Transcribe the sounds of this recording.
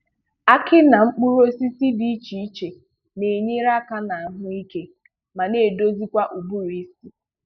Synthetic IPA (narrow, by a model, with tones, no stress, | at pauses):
a˦kɪ˦na˨ŋ͡m̩˦k͡pu˦ɾo˦si˦si˦di˨i˦t͡ʃi˨i˦t͡ʃe˨ | ne˨ɲi˦ɾa˦ka˦na˨ɦʊ˦i˦ke˦ | ma˨ne˦˨do˦zi˦kʷa˦ʔu˨bu˦ɾi˦si˦